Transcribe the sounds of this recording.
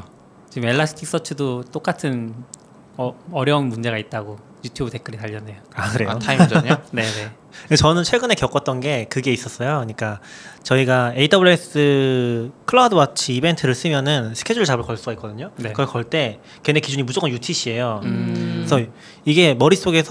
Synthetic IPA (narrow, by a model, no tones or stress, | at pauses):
t͡ɕime̞ɭːasʰɯ̥tʰik̚s͈ʌt͡ɕʰɯdot͈ok͈atʰɯn | ʌɾjʌunmund͡ʑe̞ɣait̚t͈aɡo | jutʰjubɯte̞k͈ɯɾitaʎːʌnːe̞joakɯɾe̞otʰaimd͡ʑɲonene | t͡ɕʌnɯnt͡ɕʰweɡɯne̞kjʌk͈ʌt̚t͈ʌnɡe̞kɯɡe̞is͈ʌs͈ʌjoɲik͈at͡ɕʌiɡae̞itdʌbɯɭes͈ɯ | kʰɯɭadɯwat͡ɕʰiibe̞ntʰɯɾɯɭs͈ɯmjʌnɯnsʰɯ̥kʰe̞d͡ʑuɭt͡ɕabɯɭkʌɭs͈uɡaik͈ʌdɯɲoekʌɭkʌɭt͈e̞ | kenekid͡ʑuɲimud͡ʑok͈ʰːʌnjutʰiɕʰie̞jo | sʰʌ | iɡe̞mʌɾis͈oɡe̞sʰ